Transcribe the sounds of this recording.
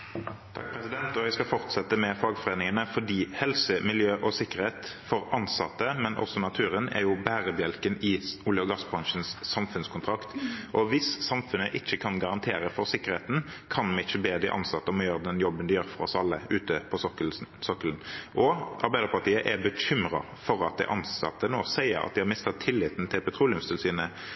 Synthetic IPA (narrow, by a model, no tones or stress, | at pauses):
t̪ʰɑ̰k̚pʰɾɛsɪd̪ɛnt̪ɔʋæɪskɑfɔʁt̪sɛt̪ːəmɛfɑːɡfɔʁeːnɪŋənəfɔɖiːhɛlsəmɪljøːʔɔsɪkːəʁheːt̪fɔʁɑnsɑt̪ːəmɛnʔɔ̰sɔnɑt̪ʰʉːʁənɛ̰ʁjʊbæːʁəd̪jɛlkənɪulɪɔɡɑsbʁɑŋʃənsːɑmfʉnskʰʊnt̪ʰʁɑkt̪ʔɔʋɪsːɑmfʉnəʔɪt͡ʃːəkʰɑnɡɑʁɑnt̪ʰeːɾəfɔɾsɪkːəʁheːt̪n̩ | kʰɑnmɛɪt͡ʃːəbeːd̪ɪ̰ʔɑ̰nsɑt̪ːəɔmɔjøːɾəd̪ɛnjɔbːənd̪ɪjøːɾfɔɾɔsɑlːəʉːt̪əpʰɔsɔkələnʔɔʔɑɾbæɪd̪əɾpɑʁt̪ʰiːəʔɛbəɕʏmʁɑ̰ | fɔʁɑ̰t̪̚d̪æ̰ʔɑnsɑ̰t̪ːənoːsæɪə̰ɾɑ̰d̪ɪhɑɾmɪst̪ət̪ʰɪlːɪːt̪nt̪ʰɪlpɛt̪ɾuːlɪʉmst̪əɪlsiːnə